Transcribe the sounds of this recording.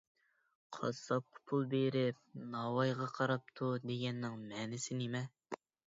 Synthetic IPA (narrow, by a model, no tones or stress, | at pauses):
qʰɑ̰sɑp̚qʰə̥pʰulˠbeɾɪp̚nɑwɑjʁɑqʰɑɾɑp̚t̪ʰud̪eɡʲɛnːɪŋmɛnɪsɪnemɛ